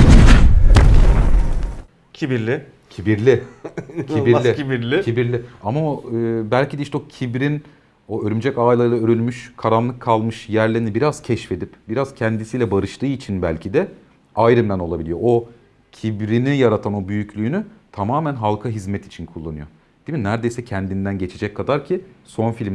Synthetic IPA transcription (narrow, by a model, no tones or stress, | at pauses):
cʰibiɾlʲɪ | cʰibiɾlʲɪcʰibiɾlʲiibiɾlʲɪcʰibiɾlʲiamaɯːbælʲcid̪ɛiʃt̪ɛocʰibɾin | oøɾymd͡ʒɛcajlˠaɯlˠaøɾylʲmyʃkʰaɾanlˠɯkʰːalˠmɯʃjæɾlʲeinibiɾaz̥cʰɛʃfe̞d̪ipbiɾaz̥cʰɛnd̪isijlʲɛbaɾɯʃt̪ʰɯːit͡ʃʰinbælʲcʰid̪ɛ | ajɾɯmd̪æno̞lˠabilʲijoʔo | cʰibɾinijaɾat̪ʰano̞byjycʰlʲyːnyt̪ʰamaːmænɦalˠkʰaɦizmɛt̪ʰi̥t͡ʃʰinkʰulˠːanɯ̰jo̰ | d̪̥iminːæɾd̪e̞jsɛcʰɛnd̪ind̪ænɟe̞t͡ʃʰe̞d͡ʒɛckʰːad̪aɾcʰiso̞nfilʲm